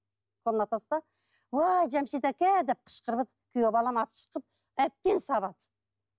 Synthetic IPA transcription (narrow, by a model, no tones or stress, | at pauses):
qʰonɑt̪ɑst̪ɑ | wɑʒæmʃit̪ɑkʲæd̪ep̚qʰə̥ʃqəɾbət̪ | kʲʰyjobɑlˠɑmɑp̚ʃə̥qəp̚ | æp̚t̪ensɑβɑt̪